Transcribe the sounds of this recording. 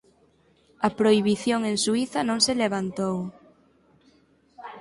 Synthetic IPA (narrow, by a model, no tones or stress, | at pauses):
ɐpɾoiβiθjoŋẽŋsuiθɐnõŋseleβ̞ant̪ow